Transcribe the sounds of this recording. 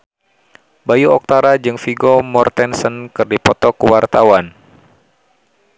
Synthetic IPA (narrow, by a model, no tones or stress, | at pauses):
bajuɔk̚t̪aɾad͡ʒɨŋfiɡɔmɔrt̪ɛnsənkɨrdipɔt̪ɔkəwart̪awan